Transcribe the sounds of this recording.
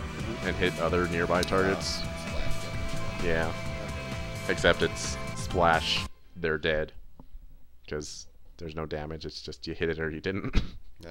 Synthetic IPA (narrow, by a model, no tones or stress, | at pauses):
ɨ̃nɦɪɾʌðə˞nɪɹbaɪtʰɑɹɡɨtsslæ̰ʃjæ | ɨksɛp̚tɨtssplæʃ | ðə˞dɛd̥ | kʰʌz̥ðə˞znoʊdæmɨd͡ʒɨtsd̥ʒ̥ʌstjɨhɪɾɨɾə˞jɨdɪdⁿn̩t̚